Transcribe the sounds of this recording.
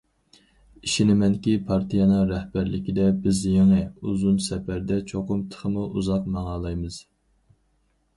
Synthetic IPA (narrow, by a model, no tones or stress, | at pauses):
iʃinɪmɛnkʲipʰɑɾt̪ʰɨjɑnɨŋɾɛhbæɾlɪkʲid̪ɛbɪzjeŋɨuzunsɛpæɾd̪ɛt͡ʃʰoqʊmt̪ʰə̥χʰəmuʔuzɑq̚mɑŋɑːlˠɑjmɨz̥